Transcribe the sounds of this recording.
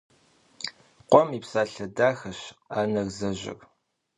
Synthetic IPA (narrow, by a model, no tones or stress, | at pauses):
qʷɔmiːpsaːɬɐdaːxɐɕaːnɐɣzɐʑɪ̰r